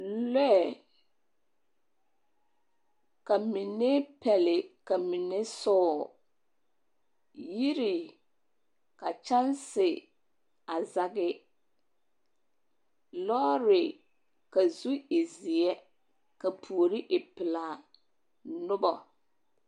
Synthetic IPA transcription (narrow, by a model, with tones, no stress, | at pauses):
lɛ˦˨ | ka˨mi˨ne˦pɛ˨lɪ˨ka˨mi˨ne˦sɔː˦˨ | ji˦ɾi˨ | ka˨t͡ʃa˦nsɪ˨ | a˨za˨ɡɪ˦ | lɔː˦ɾɪ˨ | ka˨zu˦ɪ˨zi˨ɛ˦ | ka˨pʰu˨o˨ɾi˦ʔɪ˨pɪ˨la˨ | nʊ˦bɔ˨